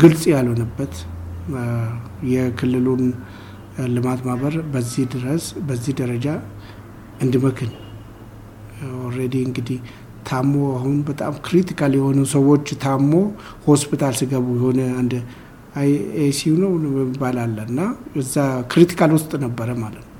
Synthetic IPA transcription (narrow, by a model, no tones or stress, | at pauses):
ɡɨlsʼjalhonəbːət̪ | jɛkʰɨlːɨlun | lɨmat̪maβəɾbəzːihd̪ɨɾəsbəzːihd̪əɾəd͡ʒa | ɨnd̪ɨməkʰɨn | oɾed̪iɨŋɡɨd̪ih | t̪ʰamoahunbət̪ʼa̰mkɨɾit̪ʰikʰaljɛho̞nusəwo̞t͡ʃːt̪ʰamːo̞ | hospʰit̪ʰalsɨɡəβujɛho̞nəand̪ | esinəwəmibalalːəɨnːajɛzːakɨɾit̪ʰi̥kʰalwʊst̪ʼnəbːəɾəmalət̪nw